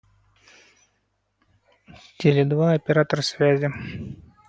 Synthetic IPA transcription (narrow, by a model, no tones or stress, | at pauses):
t̪ʲelʲɪd̪vaɐpʲɪɾat̪əɾəsʲvʲæzʲɪ